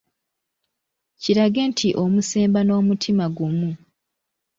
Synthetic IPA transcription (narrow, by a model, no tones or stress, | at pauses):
ciɾaɡe̞ːntʰiʔo̞muse̞ːmbano̞ːmutʰimaɡumu